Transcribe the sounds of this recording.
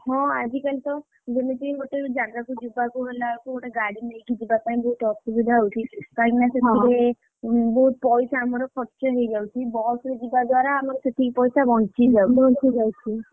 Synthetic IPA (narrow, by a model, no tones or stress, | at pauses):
ɦɔ̃ad͡ʒikalit̪ɔ | d͡ʒemit̪iɡoʈed͡ʒanɾakud͡ʒubakuɦelakuɡoʈeɡaɽimekid͡ʒibapaĩbɔɦut̪ɔsubud̪ʱaɦowt͡ʃʰikãkinaset̪ʰiɾe | bɔɦut̪̚pɔjsaːmɔɾɔkʰɔt͡ʃɔɦejd͡ʒawt͡ʃʰibɔsɾed͡ʒibad̪waɾaːmɔɾset̪ʰikpɔjsabɔɳt͡ʃid͡ʒauɔt͡ʃʰid͡ʒajt͡ʃʰi